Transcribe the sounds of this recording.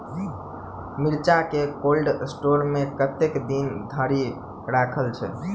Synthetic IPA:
miɾt͡ʃakekolɖsʈoɾmekət̪ekd̪ind̪ʱəɾi | ɾakʰəlt͡ʃʰɛ̰

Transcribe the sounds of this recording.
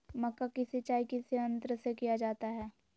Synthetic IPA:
mɐkːakɪset͡ʃaːikiseə̃nt̪ɾəsekijad͡ʒaːt̪aɦɛː

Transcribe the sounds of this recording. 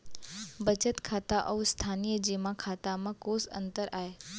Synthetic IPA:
bət͡ʃət̪kʰaːt̪aʔəwst̪ʰaːnijəd͡ʑimãkʰat̪amãkosə̰nt̪əɾaːɦe

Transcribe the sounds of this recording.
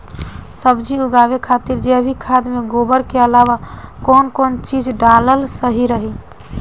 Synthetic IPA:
səbd͡ʒiuɡaʋekʰat̪iɾd͡ʒeəbʱikʰad̪meɡobəɾkeəlaʋakɔnkont͡ʃid͡ʒɖaləlsəɦiɾəɦi

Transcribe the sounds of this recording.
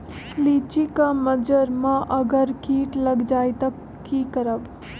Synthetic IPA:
liːt͡ʃikaməd͡ʒəɾmãʔəɡəɾkiːʈləɡd͡ʒaːjt̪ak | kːiːkəɾəb

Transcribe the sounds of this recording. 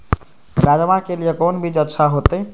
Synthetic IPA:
ɾad͡ʒəmakelijekonbʱid͡ʒətːʃʰaɦot̪ə

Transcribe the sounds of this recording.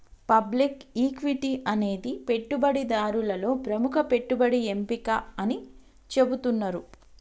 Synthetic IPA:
pɐblikiːkʋiʈiʔɐne̞ːd̪ipe̞ʈːubɐɽid̪aːɾulɐlo̞ːpɾɐmukʰɐpe̞ʈːubɐɽie̞mpikɐɐni | t͡ʃe̞but̪unːɐɾu

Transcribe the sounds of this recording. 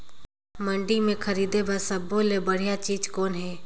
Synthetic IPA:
mə̃ɳɖimẽkʰəɾiːd̪ebəsəbolebəɽ̤ijat͡ʃiːd͡ʒkoːnɦɛː

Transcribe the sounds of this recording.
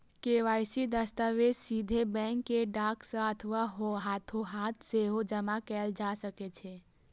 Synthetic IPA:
keːʋaːjsid̪əst̪aʋed͡ʒsid̪ʱebɛ̃kːeɖaːksə̃ət̪ʰəʋaɦoɦat̪ʰoɦaːt̪ʰseɦod͡ʒəmakɛld͡ʒaːsəket͡ʃʰe

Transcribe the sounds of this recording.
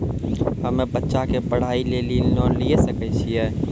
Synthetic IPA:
ɦəmebətːʃakepəɽ̤ailelinɔlijesəkɛt͡ʃʰijɛ

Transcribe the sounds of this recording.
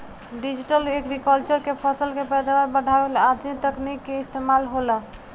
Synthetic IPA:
ɖid͡ʒiʈəlekɾikəlt͡ʃəɾkepʰəsəlkepɛjd̪awaɾbəɖʱaeelad̪mit̪əknikːeist̪emalɦola

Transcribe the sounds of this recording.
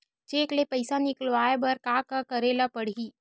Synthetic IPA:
t͡ʃeːklepɐɪsanɪklʋaːebʱɐɾkaːkakəɾeːlapɐɽ̤iː

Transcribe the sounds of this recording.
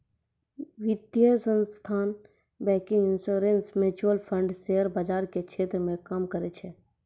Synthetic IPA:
ʋɪd̪jəsə̃nst̪ʰaːn | bɛ̃ːkɪ̃ŋɡɪnsoːɾensmeːt͡ʃuəlpʰə̃ɳɖseɦəɾbəd͡ʒaːɾkekʃʰeːt̪ɾəmẽkəmkəɾet͡ʃʰeː

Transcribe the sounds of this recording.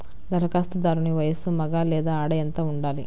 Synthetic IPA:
d̪ɐɾɐkaːst̪ud̪aːɾuniʋɐjɐsumɐɡaːlɛːd̪aːaːɽɐjɐnt̪aːuɳɖaːli

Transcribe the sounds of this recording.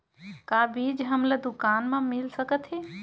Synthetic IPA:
kabid͡ʒɦəmləd̪ukanmẽmilsəkət̪ʰɦi

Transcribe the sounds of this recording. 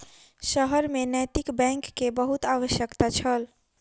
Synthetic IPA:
ʃəɦəɾmẽnɛt̪ɪkbɛ̃ːŋkːebəɦut̪aːʋəʃjəkt̪at͡ʃʰəl

